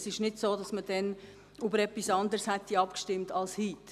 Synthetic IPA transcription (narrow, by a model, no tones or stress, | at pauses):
sɪʃnɪdsoːdɑsməd̥ɛn | ubəɾɛpːisɑndəɾshɛtːiɑpkʃtɪmtɑlshiːt